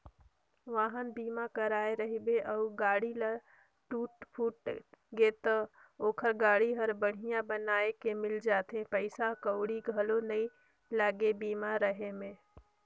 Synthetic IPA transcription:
ʋaːɦənbiːmakəɾaːeɾəɦibeʔəʊɡaːɽila | ʈuːʈpʰuːʈɡet̪ə | oːkʰəɾɡaːɽiɦəɾbəɽ̤ijãbənaːekemɪld͡ʒaːt̪ẽpəɪsakəʊɽiɡʱəlonəĩ | laːɡebiːmaɾəɦemẽ

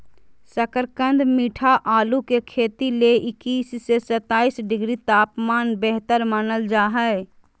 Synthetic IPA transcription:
səkəɾkə̃nd̪miːʈʰaʔaːlukekʰeːt̪ileʔɪkiːssesət̪aːiːsɖɪɡɾit̪aːpmaːnbɛɦt̪əɾmənəld͡ʒaːɦɛe

